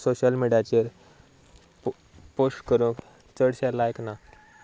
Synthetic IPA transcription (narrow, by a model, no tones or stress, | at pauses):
soɕəlmiɖijat͡ɕeɾ | posʈkəɾũːk | t͡səɽɕalajkna